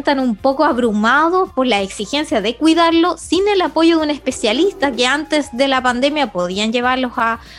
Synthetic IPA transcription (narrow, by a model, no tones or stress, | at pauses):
nt̪anumpo̞koaβɾumaðospoɾlaeksixe̞nsjaðe̞kwiðaɾlo̞sinelapo̞ʝo̞ðune̞spe̞sjalist̪akeant̪esðe̞lapand̪e̞mjapo̞ð̞ianʝe̞βaɾlo̞sa